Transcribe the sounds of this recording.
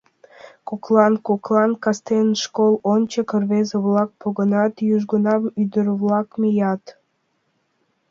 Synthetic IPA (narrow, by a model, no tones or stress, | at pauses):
koklˠɑnkoklˠɑnkɑst̪enʃkolˠont͡ɕəkərβezeβlˠɑk̚poɣə̆nɑt̪jyʒɡənɑmyd̪əɾβlɑkmijɑt̪